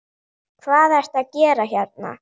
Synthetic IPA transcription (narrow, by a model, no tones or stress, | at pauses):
kʰvaːðɛɾ̥t̪aðcɛːɾaçaɾt̪̚na̰